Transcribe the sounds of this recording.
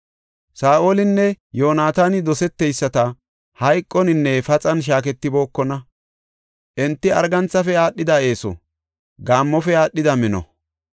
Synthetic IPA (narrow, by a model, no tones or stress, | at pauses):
saːʔoːlɪnːɛjo̞ːnaːt̪aːnɪd̪ɔsɛt̪ːɛjsːɐt̪ɐ | hɐjkʼːɔnɪnːɛfɐt͡sʼɐnʃ̬aːk̬ɛt̪ːɪbo̞ːkːɔnɐ | ʔɛnt̪ːɪɐ̰ɾɡɐnt͡sːɐfɛaːɗːɪd̪ɐe̞ːsɔ̰ | ɡaːmːɔfɛaːɗːɪd̪ɐmɪnɔ̰